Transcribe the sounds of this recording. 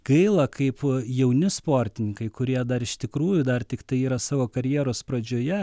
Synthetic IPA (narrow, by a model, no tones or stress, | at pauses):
ɡ̥ɐɪlˠɐkɐɪpjɛʊnʲɪspoːɾʲt̪ʲɪnʲɪŋkɐɪkʊɾʲiɛd̪ɐɾɪʃt̪ʲɪkɾuːjʊd̪ɐrt̪ʲɪkt̪ɐɪiːɾɐsɑːʋoːkɐɾʲjiɛɾoːspɾɐd͡ʒʲoːjɛ